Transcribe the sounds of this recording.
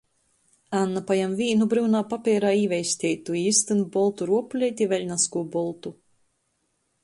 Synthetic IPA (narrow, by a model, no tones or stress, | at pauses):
anːapajamvʲiːnubɾɨwnaːpapʲɛɾaːiːvʲɛjsʲt̪ʲɛːt̪uiːst̪ɨnbɔlˠt̪uɾuɔplʲɛjt̪ʲivʲɛlʲnaskuɔbɔlˠt̪u